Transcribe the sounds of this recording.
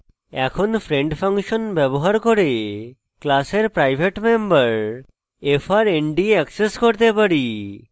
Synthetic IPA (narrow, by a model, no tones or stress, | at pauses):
ɛkʰonfɾeɳɖpʰaŋʃonbɛboɦaɾkoɾe | klaseɾpɾajbʱeʈmembaɾ | efʰaɾeɳɖiɛkseskoɾt̪epaɾi